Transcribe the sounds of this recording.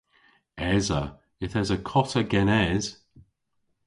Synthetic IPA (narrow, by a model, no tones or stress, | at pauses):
ɛzə | ɪθɛzəkʰɔtəɡɛnɛz̥